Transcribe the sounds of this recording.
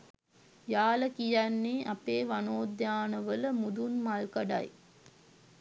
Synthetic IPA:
jaːləkijænːeːʔɐpeːʋanoːd̪jaːnəʋələmud̪unmalkɐɖa̰j

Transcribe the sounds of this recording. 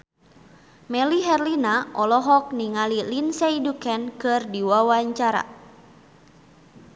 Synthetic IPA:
mɛliɦɛrlinaʔɔlɔɦɔk̚niŋalilinsɛidukɛnkɨrdiwawaɲt͡ʃaɾa̰

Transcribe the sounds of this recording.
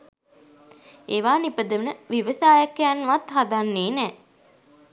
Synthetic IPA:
eːʋaːnipəd̪əʋənəʋiʋəsaːjakːejanːʋat̪ɦad̪anːeːnɛː

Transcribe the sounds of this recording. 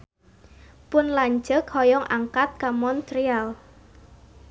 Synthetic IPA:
pʊnlaɲd͡ʒəkhɔjɔŋʔa̰ŋkat̪̚kamɔnt̪ɾial

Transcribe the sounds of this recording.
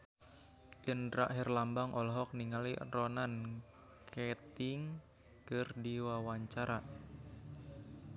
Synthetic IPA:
ʔinɾa̰ʔɦɛrlambaŋʔɔlɔɦɔk̚niŋalirɔnan | kʰet̪ɪŋ | kərdiwawaɲt͡ʃaɾa

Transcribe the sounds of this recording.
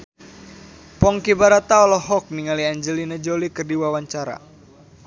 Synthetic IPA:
pɔŋkibaɾat̪aɔlɔɦɔk̚niŋaliaɲd͡ʒəlinad͡ʒolikərdiwawaɲt͡ʃaɾa̰

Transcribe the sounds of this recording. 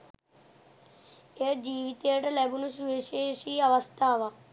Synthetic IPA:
ed͡ʒiːʋit̪eʈɐlɛbunus̬uʋeʃeʃiɐʋəst̪ʰaːʋa

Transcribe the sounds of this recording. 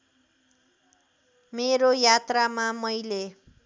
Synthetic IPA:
meɾojat̪ramamʌjle

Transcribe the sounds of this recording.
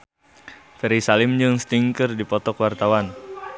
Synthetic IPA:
fɛɾisalɪmd͡ʒɨŋst̪iŋkərdipɔt̪ɔkwart̪awan

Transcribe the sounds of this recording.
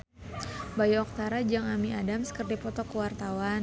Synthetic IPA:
bajaɔk̚t̪aɾad͡ʒaŋamiadamsə̥kərdipɔt̪ɔkəwart̪awan

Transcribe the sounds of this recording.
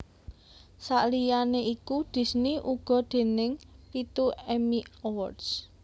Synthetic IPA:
saʔlijaneʔikud̪̥i̤sniʔuɡ̥ɔ̤d̪̥e̤nɪŋpit̪uɛmiɔwɔrds

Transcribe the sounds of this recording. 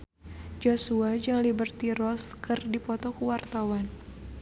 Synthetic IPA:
d͡ʒosuad͡ʒaŋlibərt̪iɾɔskɨrdipɔt̪ɔkəwart̪awan

